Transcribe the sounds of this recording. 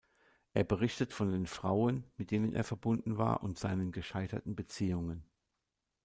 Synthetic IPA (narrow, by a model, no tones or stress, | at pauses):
ʔeːɐbəʁ̞ɪçtətfɔndeːnfʁ̥aʊənmɪt̚d̥eːnənʔḛːɐfɛɐbʊndn̩va̰ːɐʔʊntz̥aɪnənɡəʃaɪtɐ̰tn̩bət͡siːʊŋən